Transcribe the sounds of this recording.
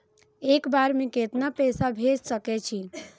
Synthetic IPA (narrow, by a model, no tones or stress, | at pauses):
ekbaɾmẽket̪napɛsabʱed͡ʒsəkɛt͡ʃʰi